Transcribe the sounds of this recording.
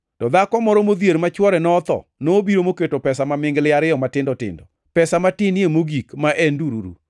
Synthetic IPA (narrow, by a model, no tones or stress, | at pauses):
tɔd̪akɔmɔɾɔmod̪jeɾmat͡ʃwɔɾɛnɔːt̪ɔ̰noːbiɾomoketopɛsamamɪŋɡlɪaɾɪjɔmatɪndɔtɪ̰ndɔ | pɛsamatɪnjemoɡikmaʔɛnduɾuɾṵ